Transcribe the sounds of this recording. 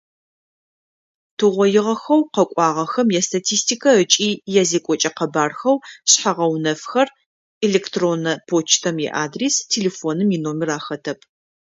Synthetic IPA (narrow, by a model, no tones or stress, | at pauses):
tʰɨʁʷɔjɪʁɐxɐwqɐkʷʼɑːʁɐxɐmjɛstʰatʰiːstʰikʰɐət͡ʃʼiːjɛzeːkʷʼɔt͡ʃʼɐqɐbaːrxɐwɕħaʁɐwnɐfxɐr | eleːktʰroːnɐpʰoːt͡ʃʰtʰɐmḭʔaːdristʰeleːfoːnɨminoːmɪraːxɐtʰɐpʰ